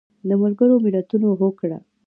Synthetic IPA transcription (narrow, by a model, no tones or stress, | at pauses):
d̪əmalɡəɾomɪlat̪unoɦokɽa̰